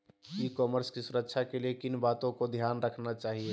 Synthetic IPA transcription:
ikɔməɾskisuɾəkːʃʰakeliekinbat̪õkod̪ʱjanɾəkʰnat͡ʃaːɦie

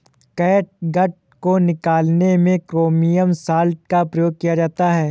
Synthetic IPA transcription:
kɛːʈ̚ɡɐʈ̚ | konɪkaːlnemẽkɾoːmijəmsaːlʈ̚kapɾɐjoːɡ̚kijad͡ʒaːt̪aɦɛː

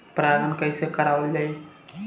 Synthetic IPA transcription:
pɾad̪ʱənkəjsekəɾaʋəld͡ʒaj

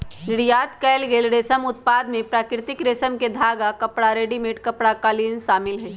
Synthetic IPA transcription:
nɪɽijaːt̪kɛːlɡeːlɾeːsəmʊt̪̚paːd̪mẽpɾaːkɪɾt̪ɪkɾeːsəmked̪ʱaːɡakɐpɽaɾeːɖimeʈkɐpɽakaːlinʃaːmɪlɦɛː

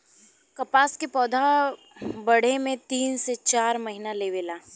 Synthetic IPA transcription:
kɐpaːskepɔːd̪ʱa | bɐɽ̤emẽt̪iːnset͡ʃaːɾmɐɦinaleːʋɪlaː

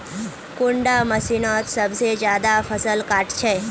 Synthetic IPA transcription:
kuɳɖaməsinɔt̪səbsed͡ʒjaːd̪afʰəsəlkaːʈt͡ʃʰe

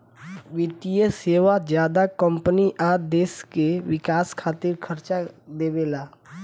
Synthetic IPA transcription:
ʋɪt̪ijəseːʋad͡ʒjaːd̪akə̃mpəniʔaːd̪eːskewɪkaːskʰaːt̪ɪɾkʰəɾt͡ʃad̪eːbeːlaː

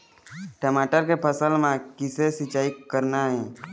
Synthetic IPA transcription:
ʈəmaʈəɾkepʰəsəlmãkisesit͡ʃaːikːəɾnaɦɛ̃

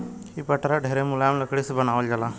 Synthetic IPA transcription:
hipəʈɾaɖʱeɾemuljamləkɽiːsbənaʋəld͡ʒala

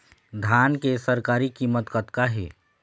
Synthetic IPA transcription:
d̪ʱaːnkesəɾkaːɾikimət̪kət̪kaɦḭː

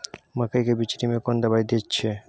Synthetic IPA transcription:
makajkebit͡ɕiɾimekond̪abajd̪itːɕʰe

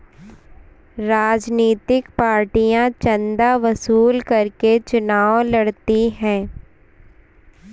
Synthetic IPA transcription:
ɾaːd͡ʒniːt̪ɪkpaːɾʈijãt͡ʃə̃nd̪aʋɐsuːlkɐɾket͡ʃʊnaːʋlɐɽt̪iɦɛ̃ː

